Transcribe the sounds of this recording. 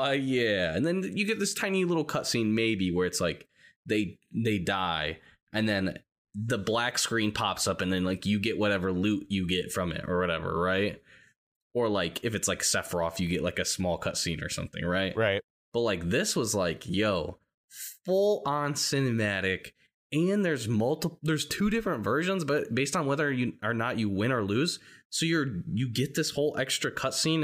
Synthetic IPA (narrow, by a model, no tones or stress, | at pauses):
ojæɨ̃nðɨ̃njɨɡɛt̪̚ðɪstʰãɪ̃nilɪɾl̩ˠkʰʌtsĩnmeɪbiwə˞ɨtslaɪk | ðeɪðeɪdaɪ | ʔɨ̃nðɨ̃n | ðəblækskɹĩnpʰɑpsʌpɨ̃nðɨ̃nlaɪkjɨɡɛʔ̚wʌɾɛvə˞lʉʔɨɡɛtfɹʌ̃mɪ̰ɾə̰˞wʌɾɛvə̰˞ɹaɪt̚ | ə˞laɪkʰɨfɨtslaɪksɛfə˞ɔfjɨɡɛʔlaɪkɨsmɔlˠkʰʌtsĩnə̰˞sʌ̰̃mθɪ̰̃ŋɹaɪt̚ɹaɪ | b̥ʌt̚laɪk̚ðɪswʌzlaɪkʰjoʊ | fʊlˠə̃nsɪ̃nɨmæɾɪk | ɨ̃nðə˞zmʌlˠtəpðə˞z̥tʰʉɾɪfɹɨ̃ntvɜ˞ʒə̃nzbʌt̚b̥eɪstn̩wɛðə˞jɨə˞nət͡ʃɨwɪ̃ñə˞lʉz̥soʊjə˞jɨɡɛt̪̚ðɪshoʊlˠʔɛkstɹ̥ɨkʰʌtsĩn